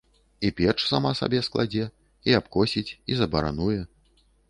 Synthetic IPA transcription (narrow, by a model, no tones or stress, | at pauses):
ipʲɛrʂsamasa̰bʲɛsklˠa̰d͡zʲɛ | iapkɔsʲit͡sʲizɐbɐɾa̰nujɛ